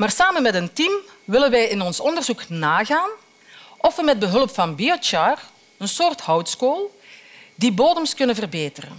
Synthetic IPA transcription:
maːrsaːmənmɛtəntim | ʋɪlənʋɛjɪnɔnsɔndərzuknaːɣaːn | ʔɔfʋəmɛd̚bəɦɵlpfɑnbiɔt͡ʃaːr | ənsoːrthɔwtskoːlˠ | diboːdəmskɵnənvərbeːtərə̰n

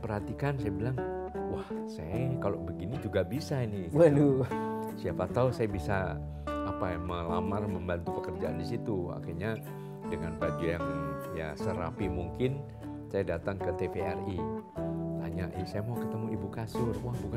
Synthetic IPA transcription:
pərhat̪ikansajabilaŋ | wahsajakalobəɡinid͡ʒuɡabisainɪbənu | siapat̪ausajabisa | apajaŋməla̰marməmbant̪upəkərd͡ʒaʔandisit̪ua̰xiɲa | dəŋanbad͡ʒujaŋja̰səɾa̰pimuŋkɪn | sajadat̪aŋkət̪epeɛri | t̪aɲaʔisajamaukət̪əmuibukasʊrwahbuka

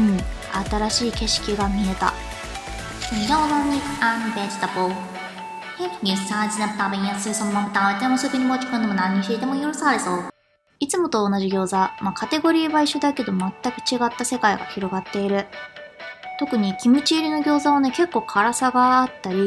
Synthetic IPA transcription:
at̪aɾaɕiːke̞ɕi̥kʲiɡamʲie̞t̪a̰ | ɡozaɲiambed͡ʑi̥t̪apo | heɲʲisãːd͡ʑinapɯ̥t̪ãbeɲĩjasɯɯsommːapɯ̥t̪ãet̪ːemosekɯɲ̟imoːt͡ɕi̥kɯ̟nd̪e̞mo̞nãɲ̟ːiɕiːt̪e̞mojoɾɯsaɾeso̞ː | it͡sɨmo̞t̪o̞ːnaʑiɡʲo̞ːzamakʰat̪e̞ɡo̞ɾʲiːβaiɕod̪ake̞d̪o̞mat̪ːakɯ̟̥t͡ɕiɡat̪ːase̞kaiɡa̰çiɾo̞ɡat̪ːe̞iɾɯ̟ | t̪o̞kɯ̟ɲ̟ikʲimɯ̟t͡ɕiːɾʲino̞ɡʲo̞ːzaβane̞ke̞kːo̞ːkʰaɾasaɡaːt̪ːaɾʲi

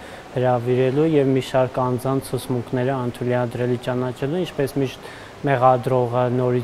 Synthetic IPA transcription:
həɾɑviɾɛlujɛvmiʃɑɾkɑnd͡zɑnt͡sʰːut͡sʰmuŋkʰnɛɾəɑnt̪ʰuliɑd̪ɾɛlit͡ʃɑnɑt͡ʃʰɛluint͡ʃʰpɛsmiʃt̪ | mɛʁɑd̪ɾɔʁənɔɾi

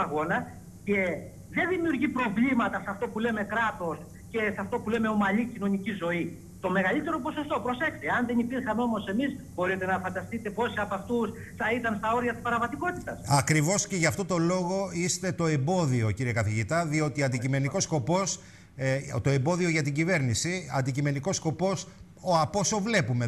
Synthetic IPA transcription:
ɐɣo̞nɐ | ce̞ | ðe̞nðimiuɾʝipɾo̞vlimɐt̪ɐsɐft̪opule̞me̞kɾɐt̪o̞s | ce̞sɐft̪o̞pule̞me̞o̞mɐlicino̞nicizo̞i | t̪o̞me̞ɣɐlit̪e̞ɾo̞po̞so̞st̪o̞pɾo̞se̞xst̪eɐnðe̞nipiɾxɐmeo̞mo̞se̞mizbo̞ɾit̪e̞nɐfɐnd̪ɐst̪it̪e̞po̞siɐpɐft̪usθɐit̪ɐnst̪ɐo̞ɾiɐt̪ispɐɾɐvɐt̪iko̞t̪it̪ɐsɐkɾivo̞sce̞ʝɐft̪o̞t̪o̞lo̞ɣo̞ist̪e̞t̪o̞e̞mbo̞ðio̞ciɾiekɐθiʝit̪ɐðio̞t̪iɐnd̪icime̞niko̞sko̞po̞s | t̪o̞e̞mbo̞ðio̞ʝɐt̪iɟive̞ɾnisiɐnd̪icime̞niko̞sko̞po̞s | oɐpo̞sovle̞pume

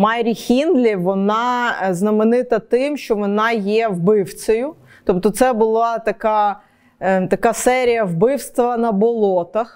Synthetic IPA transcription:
mɑjɾʲixʲind̪lʲiʋɔnɑznɐmenɪt̪ɐt̪ɪmʃt͡ʃɔʋɔnɑjɛʋbɪwt͡sʲɐjʊ | t̪ɔpt̪ɔt̪sɛbʊlˠɑt̪ɐkɑ | t̪ɐkɑsɛɾʲijɐwbɪwst̪ʋɐnɐbɔlˠɔt̪ɐx

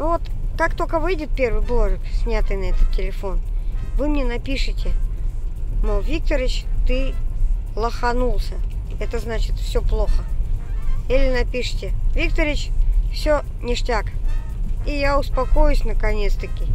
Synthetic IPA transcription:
vot̪kakt̪okəvɨjdʲɪt̪̚pʲe̞rvɨjblˠoʐɨksʲnʲat̪ɨjnɐɛt̪ət̪tʲːɪlʲɪfo̞nvɨmnʲenɐpʲiʂɨtʲɪ | novʲik̚t̪əɾɪt͡ɕt̪ɨ | lˠəxɐnulˠsʲəɛt̪əznat͡ɕɪt̪fsʲoplˠoxə | ilʲɪnɐpʲiʂɨ̥tʲɪvʲik̚t̪əɾʲɪt͡ɕfsʲo | nʲɪʂtʲak | ijaʊspɐko̞jʊsʲnəkɐnʲet̪st̪əkʲɪ

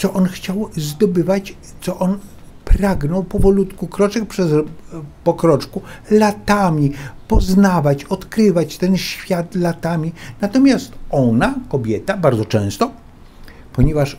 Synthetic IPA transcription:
t̪sɔʔɔnxt͡ɕawzd̪ɔbɘvat͡ɕ | t̪sɔʔɔn | pɾaɡnɔwpɔvɔlut̪kukɾɔt͡ʂɛk̚pʂɛzpɔkɾɔt͡ʂkulat̪amʲipɔznavat͡ɕɔt̪kɾɘvat͡ɕt̪ɛnɕfʲjat̪lat̪amʲinat̪ɔmʲjast̪ɔnakɔbʲjɛt̪abaɾdzɔt͡ʂɛ̃w̃st̪ɔ | pɔɲɛvaʂ

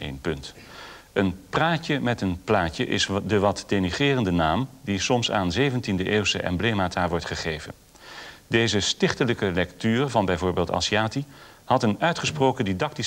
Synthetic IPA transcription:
ʔḛjnpɵnt | ənpraːcəmɛtənplaːcəʔɪsdəʋɑtdeniχɪːrəndənaːmdisɔmsa̰ːnzejvəntindəʔeːwsəʔɛ̰mblejmaːtaːɹʋɔɹtχəχejvə̰n | dejzəstɪχtələkəlɛktyːrvɑnbɛjvoːɹbeːlˠtɑ̰siaːti | hɑtənœɥtχəsprowkədidɑk̚ti

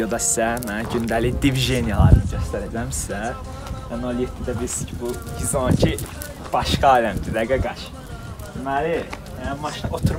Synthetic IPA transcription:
od̪ɑsi̥sæmæɟynd̪ælid̪ivʒenijɑlˠɑ̰ɾɯnɯɟøst̪æɾæbilæmsi̥sæ | ɛnolʲˠjet̪ʰːid̪æbilisi̥cʰibuɡizoncʰi | b̥ɑʃkɑːlæmd̪ilæɡæɡɑʃ | d̪imæli | mɑʃnʔot̪ʰuɾ

